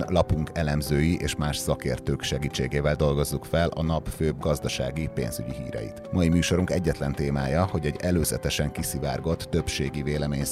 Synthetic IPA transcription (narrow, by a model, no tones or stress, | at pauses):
lɒpuŋkɛlɛmzøːjiʔeːʃmaːʃsɒkḛːrt̪øːkʃɛɡiːt͡ʃːeːɡeːvɛld̪o̞lɡo̞zːukfɛlʔɒ̰nɒpføːbɡɒzd̪ɒʃa̰ːɡipḛːnzyɟiɦḭːɾɛ̰jḭt̪mɒimyːʃo̞ɾuŋkɛɟːɛt̪lɛnt̪eːmaːjɒho̞ɟɛɟɛløːzɛt̪ɛʃɛŋkisivaːrɡo̞t̪ːø̞pʃeːɡiveːlɛmeːɲ